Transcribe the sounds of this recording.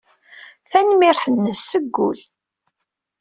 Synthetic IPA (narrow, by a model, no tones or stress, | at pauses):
θænmɪɾθənːəsːəɡːʊ̰l